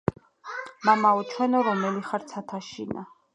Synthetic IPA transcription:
mamaɔt͡ʃʰwɛnɔɾɔmɛliχaɾt̪sʰat̪ʰaʃina̰

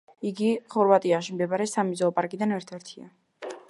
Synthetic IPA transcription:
iɡiχɔɾvat̪ʼiaʃimd̪ɛbaɾɛsamizɔɔpʼaɾkʼid̪anɛɾt̪ʰɛɾt̪ʰia̰

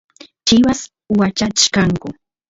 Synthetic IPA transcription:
t͡ʃɪwas | wat͡ʃakaŋkʊ

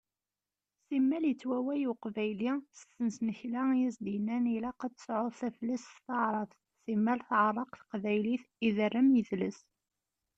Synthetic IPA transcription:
simːæljət͡sːwæwæjuqvæjlisəθənsnəçlæjisd̪jənːænilæqæt͡s̪ːə̥sʕoðˤθæflːæsθθɑʕɾˤɑθ | simːælθʕrˤːɑqθə̥qvæjliθiðərːəmjəθləs

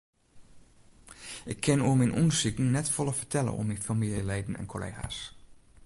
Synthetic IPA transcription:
ʔɪkʰːɪnuəminʔunsikn̩nɛtfɔlˠəfəɹtʰɛlə̰ʔɔ̰mːinfamiljəleːdn̩ɛ̰nkʰolḛːɣa̰s

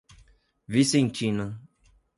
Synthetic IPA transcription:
visẽnt͡ʃinɐ

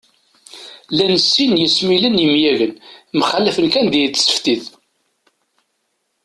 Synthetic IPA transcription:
lænəsːinjəsmilənjəmjæʝənmχæləfənkænd̪ijət͡s̪ːsə̥ft̪ið

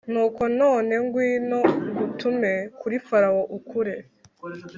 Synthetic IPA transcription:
nuːko̞noːne̞ŋɡwiːno̞ɡutʰume̞kuɾifaɾawoʔukʰuɾe̞

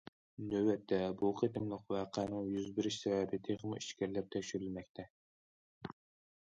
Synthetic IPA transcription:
nøwɛt̪ʰːɛbuqʰet̪ɨmlˠəqwæqʰæːnɨŋjyzbɪɾɪʃsɛvɛbɪt̪ʰeχmuiʃkʲæɾlɛp̚t̪ʰɛkʲʃyɾylmɛk̚ʲt̪ʰɛ

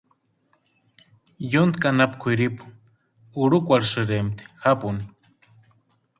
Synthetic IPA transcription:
junt̪kanapkʷʰiɾipu̥ | uɽukʷaɾsɨɾemt̪i̥hapuni

